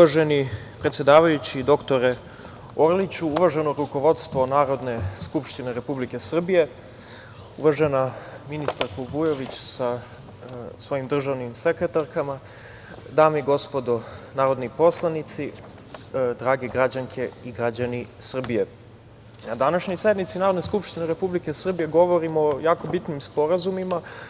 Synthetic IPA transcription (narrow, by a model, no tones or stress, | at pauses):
uaʒeni | pɾet̪sjed̪aːʋajut͡ɕid̪o̞kt̪oɾe | oɾlit͡ɕuuʋaʒe̞noɾuko̞ʋo̞t̪st̪ʋo̞naːɾo̞d̪ne̞skupʃt̪ineɾe̞publike̞sr̩bije̞ | uʋaʒe̞naminist̪aɾkobujo̞ʋit͡ɕsa | sʋo̞jimd̪r̩ʒaʋnimsekɾet̪aɾkama | d̪aːmiɡo̞spo̞d̪onaːɾo̞d̪nipo̞slˠanit̪si | d̪ɾaːɡeɡɾad͡ʑaŋkʰe̞iɡɾad͡ʑanisr̩bije̞ | nad̪anaʃɲojsed̪nmit̪sinaːɾod̪neskupʃt̪ineɾe̞publikesr̩bije̞ɡo̞ʋoɾimojaːko̞bit̪nimspo̞ɾazumima